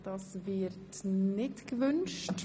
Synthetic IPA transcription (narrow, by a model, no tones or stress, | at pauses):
d̥ɑsvɪɾtnɪtɡ̥əvʏnʃt